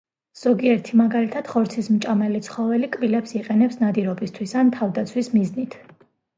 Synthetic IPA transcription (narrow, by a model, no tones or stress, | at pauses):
z̥ɔɡiɛɾt̪ʰimaɡalit̪ʰad̪̥χɔɾt̪sʰismt͡ʃʼamɛlit̪sʰχɔvɛlikʼbilɛpsiqʼɛnɛpsnad̪iɾɔbist̪ʰwisant̪ʰavd̪at̪sʰwismiznit̪ʰ